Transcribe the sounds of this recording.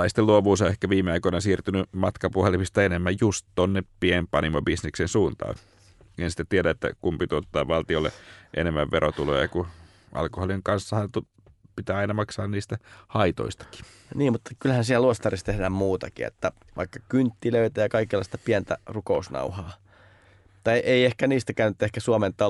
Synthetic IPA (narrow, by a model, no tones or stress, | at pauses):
ɑist̪eluɑʋuːsɑehkæʋiːmeɑikoinɑsiːrt̪ynymɑt̪kɑpuhelimist̪ɑenemːæjjust̪t̪onːeppiempɑnimobisneksensuːnt̪ɑ̰ː | ensi̥t̪æt̪ieɾæet̪ːæ̰kumpit̪yot̪ːɑːʋʋɑlt̪iolːḛʔḛnemːæʋʋeɾʔot̪ulo̰jɑ̰ku | ʔɑ̰lkoholiŋkɑnsːɑhɑnt̪u | pit̪æːɑinɑmɑksɑːnniːst̪æhɑit̪o̰ist̪ɑ̥ki̥ | niːmmut̪ːɑ̥kylhænsilluost̪ɑrist̪ehdæːmmuːt̪ɑkḭḛt̪ːæ | ʋɑ̰ikːɑkynt̪ːiløit̪æjɑkɑikelːɑ̰ˑist̪ɑpiænt̪æ̰rukousnɑ̰uhɑː | mut̪ːɑeʔeiehkæniːst̪ækæynːyt̪ːehkæsuoment̪ɑ